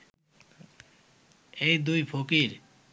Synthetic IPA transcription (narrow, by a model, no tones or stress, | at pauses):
ejd̪ujpʰokiɾ